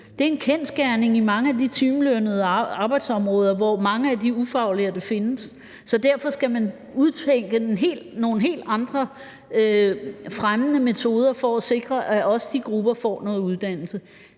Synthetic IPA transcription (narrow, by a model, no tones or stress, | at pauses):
d̥e̝ɐe̝nkʰen̰sɡ̥æɐne̝ŋimɑ̈ŋəædit͡sʰiːmlønəð̞̩ˠɑ̈ːb̥ɑ̈ɪd̥sɒ̽mʁɔ̽ːð̞ˠɐʋɒmɑ̈ŋəædiufɑ̈ʊliɐd̥e̝fe̝nəsː | ɒ̽d̥æɐ̰fɒ̽sɡ̥æmæn | uðˠt͡sʰeŋ̰ɡ̥ənɦe̝̰ːlno̝ːn̩ɦe̝̰ːld̥ɑ̈nd̥ʁɐ | øfʁamənəme̝t͡sʰo̝ːð̞ˠɐfɒ̽æse̝ɡ̥ʁɐʔæʔɒ̽səd̥iɡ̥ʁub̥ɐfɒ̰ːnɔ̽ːð̩ˠuðˠd̥æn̰l̩sə